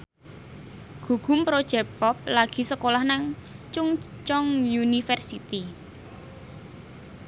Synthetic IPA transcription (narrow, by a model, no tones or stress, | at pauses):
ɡ̥uɡ̥ṳmpɾod̥ʒ̥ɛ̤pɔp̚laɡ̥i̤səkolahnaŋt͡ʃʊŋ | t͡ʃɔŋjunifɛrsit̪i